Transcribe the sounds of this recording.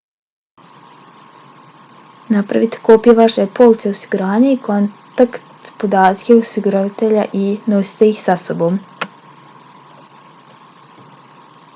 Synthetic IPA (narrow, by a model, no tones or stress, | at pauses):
napɾa̰ʋit̪e̥kopijeʋaʃepo̞lˠt̪seosiɡuɾaːɲaikʰo̞nt̪akt̪po̞d̪aːt̪keosiɡuɾaʋat̪eʎaʔino̞si̥t̪e̞ixsaso̞bo̞ːm